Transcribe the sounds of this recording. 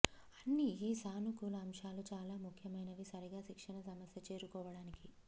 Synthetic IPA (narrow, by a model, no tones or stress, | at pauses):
ɐnːiiːsaːnukulɐɐmʂaːlut͡ʃaːlaːmukʰjɐmɐjnɐʋisɐɾiɡaːʃikʂɐnɐsɐmɐsjɐt͡ʃe̞ːɾukɔːʋɐɽaːniki